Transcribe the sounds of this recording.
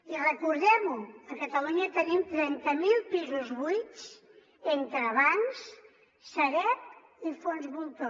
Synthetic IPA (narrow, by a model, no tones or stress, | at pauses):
irəkuɾðemuɐkɐt̪ɐluɲɐt̪ənimt̪ɾɛnt̪ɐmilˠpizuzβujs | ent̪ɾɐβaŋs | sɐɾɛp̚ | ifonzβulˠt̪o